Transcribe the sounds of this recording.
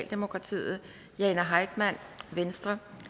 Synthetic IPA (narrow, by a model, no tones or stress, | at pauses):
ld̥e̝mo̝kʰʁɑ̈t͡sʰḭːð̩ˠ | jɛnæɦɑ̈ɪ̰d̥mæn̰ʋensd̥ʁɐ